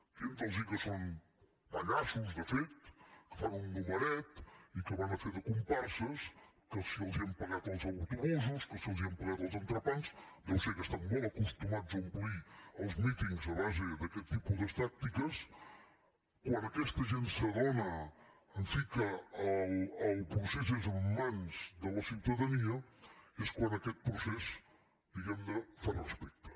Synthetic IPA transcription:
ʒent̪əlˠʒikəson | bəɣasuzd̪əfet̪kəfanunnuməɾɛt̪ikəβanəfeɾðəkumpaɾsəskəsiəlˠziəmpəɣat̪əlˠzəwt̪uβuzuskəsiəlˠziəmpəɣat̪əlˠzənt̪ɾəpansd̪elˠsekəst̪aŋːoləkust̪umadzəimpliɐwzmit̪iŋɡzɐlaʒiðɐkelt̪ipuðɐʃt̪ak̚t̪ikɐʃ | kwɐ̃nd̪ɐkɛʃt̪ɐʒẽnt̪sɐðonɐ | ɐ̃fikɐawawpɾusɛs̬ezumɐ̃nzðɐlˠɐsit̪ɐðɐniɐeʃkwɐ̃nd̪ɐkɛt̪̚pɾusɛsu̥ | ðiɣãnd̪ɐfaɾɐʃpejt̪ɐ̥

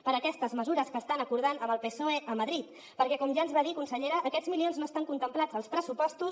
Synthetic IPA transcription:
pəɾəkɛst̪əzməzuɾəskəːst̪anəkuɾð̞anəməlˠpesoeʔəməðɾit̪ | pəɾkɛkɔmʒaənzβaðikunsəʎeɾəʔːkɛd͡zzmilionznoəst̪aŋkunt̪əmplad͡zəlˠspɾəsupɔst̪us

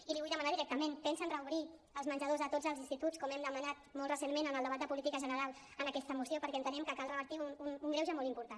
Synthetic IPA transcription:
iliβujðəmənaðiɾɛk̚t̪əmenpɛnsənrəuβɾi | əlzmənd͡ʒəð̞ozðət̪od͡zəlˠzinst̪it̪ut͡sskɔmɛmd̪əmənat̪̚mɔlˠt̪rəsenmenənəlˠd̪əβat̪əpulit̪ikəʒənəɾalˠ | ənəkɛst̪əmusiopəɾkɛənt̪ənɛmkəkalˠrəβəɾt̪iununuŋɡɾɛwʒəmɔlˠimpuɾt̪a

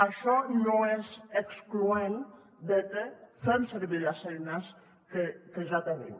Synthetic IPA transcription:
aʃɔnõɛzekskluen | d̪et̪efɛmseɾβiɾasɛjnas | kekeʒat̪enḛm

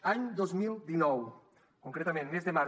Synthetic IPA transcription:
aɲd̪ozmild̪inɔw | kuŋkɾet̪amẽnmezðema

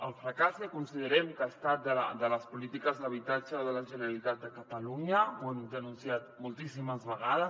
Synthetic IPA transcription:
əlˠfɾəkasəkunsiðəɾɛmkəast̪at̪̚d̪əl̰d̪ələspulit̪ikəzðəβ̞it̪at͡ʃəðələʒənəɾalit̪at̪̚d̪əkət̪əluɲəwɛnt̪eənunsiat̪mulˠt̪isiməzβəɣ̞aðəs

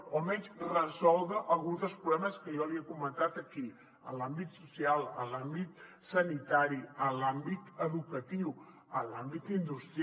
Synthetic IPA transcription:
omɛnsrəzɔlˠðəʔəlˠɣunzd̪əlˠspɾuβlɛməskəjɔliəkumənt̪at̪əki | ə̰lambit̪susialˠə̰lambit̪ | sənit̪aɾiəlambit̪əðukət̪iw | əlambit̪ind̪ust̪ɾ

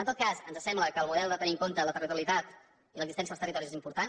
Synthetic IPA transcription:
nt̪ot̪kasənzəsɛmbləkəːlˠmuðɛlˠd̪ət̪əniəŋkont̪ələt̪ərit̪uəlit̪at̪ | iləkzist̪ɛniəlˠst̪ərit̪ɔɾizezimpuɾt̪an

